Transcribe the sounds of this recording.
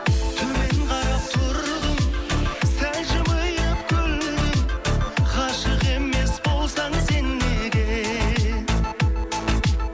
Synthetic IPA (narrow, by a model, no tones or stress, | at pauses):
t̪ʰɵme̞ŋqʰɑɾɑpt̪oɾʁəmsæjʒəməjəpkʲʰɵlɪ | qʰɑʃəqe̞me̞sbo̞lˠsɑɴse̞nːeɡʲe